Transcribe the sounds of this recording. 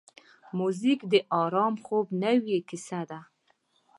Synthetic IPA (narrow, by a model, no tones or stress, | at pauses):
muzikd̪əʔɑɾɑmxobnəwjekɪsad̪a